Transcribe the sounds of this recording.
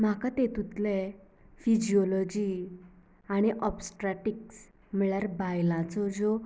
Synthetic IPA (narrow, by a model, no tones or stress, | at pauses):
m̤akat̪et̪ut̪lɛ | fid͡ʑiɔlɔd͡ʑi | aɽ̃iʔɔpsʈɾaʈiks | miɭjaɾbajlãt͡sɔd͡zɔ